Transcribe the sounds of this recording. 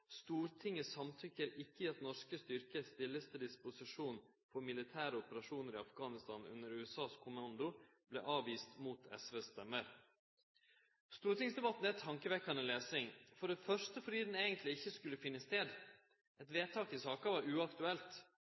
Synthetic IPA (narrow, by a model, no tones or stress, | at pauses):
st̪uːɾt̪ʰɪŋəsɑmt̪ʰʏkːəɾʔɪkːəɑt̪nɔʂkəst̪ʏɾkəst̪ɪlːəst̪əd̪ɪspʊsɪʂuːn | fɔɾmɪlɪt̪ʰæːɾəɔpəɾɑʂuːnəɾɪɑfɡɑːnɪst̪ɑnʉ̰nːəɾʉːɛsɑːskʰʊmɑnd̪ʊblɛ̰ʔɑːʋiːst̪muːt̪ʰɛ̰sʋeːsːt̪ɛmːəɾ | st̪uːɾt̪ɪŋsd̪ɛbɑt̪ːnɛt̪ʰɑŋkəʋɛkːɑnnleːsɪŋfɔɖɛfœʂtəfɔɖiːd̪ɛneːɡənt̪lɪɪçːəskʉlːəfɪnːəst̪eːd̪ | ɛt̪ʋeːt̪ʰɑːkɪsɑːkɑʋɑɾʉɑkt̪ʉɛlt̪